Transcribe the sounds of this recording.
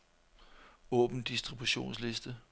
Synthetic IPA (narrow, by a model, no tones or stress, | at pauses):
ɔ̰̽ːb̥n̩d̥isd̥ʁib̥uɕo̝̰ːnsle̝sd̥ə